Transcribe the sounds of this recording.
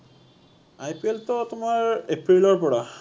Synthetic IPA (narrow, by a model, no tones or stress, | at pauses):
ajpieltɔtʊmaɹepɹilɔɹpɔɹa